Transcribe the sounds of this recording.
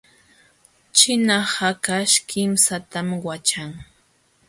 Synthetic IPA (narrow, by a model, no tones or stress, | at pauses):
t͡ʃɪnahakaʃkʰɪmsat̪amwat͡ʃaŋ